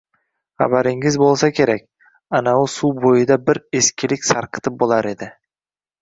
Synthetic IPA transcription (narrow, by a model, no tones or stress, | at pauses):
χa̰baɾɪŋɪzbolˠsakʲʰe̞ɾakʲ | anaʊsuwbojɪd̪abɪɾe̞skʲɪlɪkʲsaɾqʰɨ̥t̪ʰɪp̚bolˠaɾe̞d̪ɪ